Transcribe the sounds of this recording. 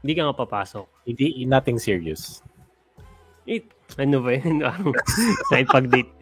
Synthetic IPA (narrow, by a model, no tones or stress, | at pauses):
ɪnd̪iːkɐŋɐpapaːsok̚hɪnd̪inat̪ɪŋsiɹios | ʔɪt̪̚ | ɐnobɐjonpaːɾɐŋkaɪnpɐɡ̚d̪it̪̚